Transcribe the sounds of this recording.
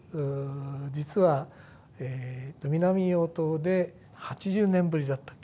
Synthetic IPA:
ɯd͡ʑit͡sɨβa | eːt̪ːo̞mʲinamʲioːt̪o̞ːd̪e̞ | hat͡ɕiʑɨːnẽ̞mbɯ̟ɾʲid̪at̪ːḁkː

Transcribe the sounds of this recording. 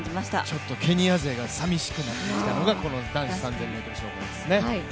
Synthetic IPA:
maɕt̪a̰t͡ɕo̞t̪ːo̞kʰe̞ɲ̟iaze̞ːɡasamʲiɕi̥kɯ̟nat̪ːetkʲit̪ano̞ɡako̞no̞d̪ãɰ̃ɕi̥sãnzẽ̞mːeːt̪oɾoɕoːkõd̪esɨne̞a

